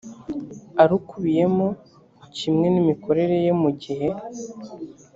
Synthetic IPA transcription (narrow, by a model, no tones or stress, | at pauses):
aɾukuβije̞mo | cimŋe̞nimikʰo̞ɾe̞ɾe̞jemuɟihe̞